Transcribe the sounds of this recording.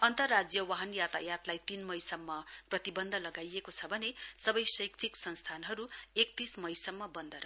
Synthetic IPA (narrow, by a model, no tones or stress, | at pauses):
ʌnt̪ʌrːad͡zjʌwaɦʌnjat̪a̰jat̪lajt̪inmʌjsʌmːʌprʌt̪ibʌnd̪ʱʌlʌɡajekot͡sʰʌbʱʌnesʌbʌjsʌjkt͡sʰiksʌnst̪ʰanɦʌɾuek̚t̪ismʌjsʌmːʌbʌnd̪ʱʌɾʌ